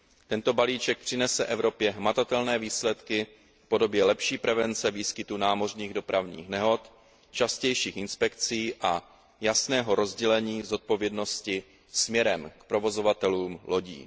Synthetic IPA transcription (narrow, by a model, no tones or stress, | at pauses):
t̪ɛnt̪o̞baliːt͡ʃɛk̚pr̝̥ɪnɛsɛʔɛvɾo̞pjɛɦmat̪at̪ɛlnɛːviːslɛt̪kɪ | fpo̞do̞bjɛlɛpʃiːpɾɛvɛnt͡sɛviːskɪt̪unaːmo̞r̝ɲiːɣdo̞pɾavɲḭːxnɛɦo̞t̪ | t͡ʃascɛjʃiːxʔɪnspɛkt͡siːʔa | jasnɛːɦo̞ɾo̞zɟɛlɛɲiːzo̞t̪̚po̞vjɛdno̞scɪ | smɲɛɾɛmkpɾo̞vo̞zo̞vat̪ɛluːmlʔo̞ɟḭː